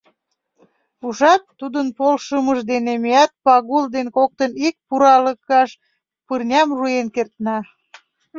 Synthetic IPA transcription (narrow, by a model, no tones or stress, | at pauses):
uʒɑt̪ːud̪ənpolʃəməʒd̪enemiæt̪̚pɑɣuld̪enkok̚t̪ənik̚puɾɑləkɑʃ | pɨrnʲɑmruenkert̪nɑ